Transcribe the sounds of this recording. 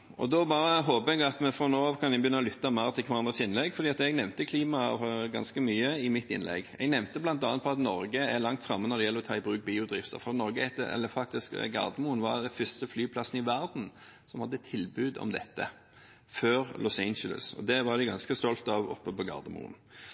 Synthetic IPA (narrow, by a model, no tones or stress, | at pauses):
ʔɔ̰d̪ɔbɑːɾəɦoːpəɛɡɑt̪mɛfɾɔnoːɑʋkʰɑnɪbjʏnːɑɔlʏt̪ːɑmæʁt̪ʰɪlkʰʋɑɾɑnd̪ʁəsɪnlɛɡfɔɾd̪iːɑt̪ɛɡnɛʋnt̪əkʰliːmɑfɔɡɑ̰nskəmyːəɪmɪt̪ːɪ̰nlʔɛ̰ɡɛ̰ɡnɛʋnt̪əblɑnt̪ɑːnt̪̚pʰɔɑt̪nɔɾɡəælɑŋt̪fɾɑmːənɔɾd̪ɛjɛlːɾɔt̪ʰɑːɪbɾʉːk̚biːʊd̪ɾɪft̪ə̰ɾfɔɾɑt̪nɔɾɡəhɛt̪ːə̰ɛ̰lːəfɑk̚t̪ɪskɡɑ̰ʁd̪əmʊnʋɑd̪ɛnfʏst̪əflyːpʰlɑsn̩ɪʋæɾd̪n̩ | sɔmhɑd̪ːət̪ʰɪlbʉːd̪ɔ̰md̪ɛ̰t̪ːə̰ | føːɾlɔsɛɪnələ̰sɔ̰d̪ɛʋɑɾd̪ɪɡɑnskəst̪ɔlt̪ɑʋɔ̰pːəpɔɡɑ̰ʁd̪əmʊ̰ːn